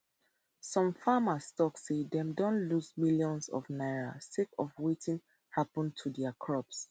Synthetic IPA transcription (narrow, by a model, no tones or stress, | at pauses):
sɔ̃mfamastɔksedɛ̃mdõnluzmiljɔ̃nsɔ̰vnaɪɹa̰stekɔvwetĩŋ | hapə̃ntʰudɛakʰɹɔps